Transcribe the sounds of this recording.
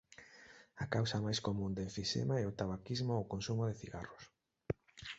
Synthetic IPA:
ɐkawsɐmajskomũnd̪eɱfiʃḛmaɛʊt̪aβakizmookonsumʊðɪθiɣa̰rʊs

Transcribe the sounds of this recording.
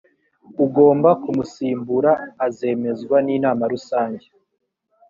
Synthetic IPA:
uɡo̞ːmbakumusiːmbuɾaːze̞ːme̞zɡwaniːnaːmaɾusaːɲɟe

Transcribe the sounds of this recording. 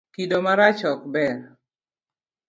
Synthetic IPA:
kidomaɾat͡ʃɔkbɛr

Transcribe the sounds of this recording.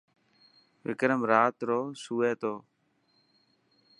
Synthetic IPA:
ʋɪ̰kɾəmɾaːt̪ɾoːsuːeːt̪oː

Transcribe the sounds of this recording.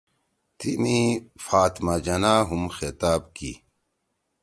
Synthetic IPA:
t̪inifaːt̪mad͡ʑɐnaːɦumxet̪aːbkḭ

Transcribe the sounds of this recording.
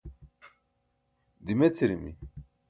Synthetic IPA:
d̪imet͡sʰiɾimḭ

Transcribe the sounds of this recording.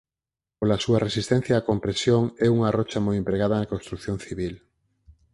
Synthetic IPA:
polasuɐresist̪ɛ̃n̟θjaːkompɾesjoŋɛuŋɐrɔt͡ʃɐmojẽmpɾeɣaðɐnɐkonst̪ɾukθjoŋθiβil

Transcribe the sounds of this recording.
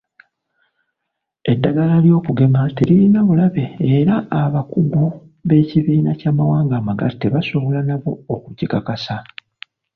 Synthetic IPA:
e̞dːaɡalaljo̞ːkuɡe̞mateɾiinaβulaβe̞ːɾaːβakuɡu | βe̞ːciβiːnacaːmawaːŋɡaːmaɡa̰teβaso̞βo̞lanaβo̞ːkuɟikakasa

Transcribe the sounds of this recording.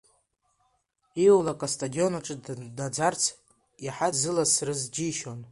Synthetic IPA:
iwlakʼastʼadio̞naʈ͡ʂʼɨdad͡zart͡sʰ | jaħazɨlasrɨzd͡ʒiʃon

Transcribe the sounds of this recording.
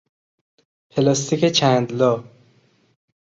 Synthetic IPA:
pʰelɒːst̪ʰiket͡ʃʰænd̪lɒː

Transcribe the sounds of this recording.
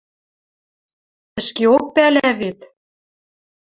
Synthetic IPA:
ɘ̆ʃkeok̚pælæβet̪

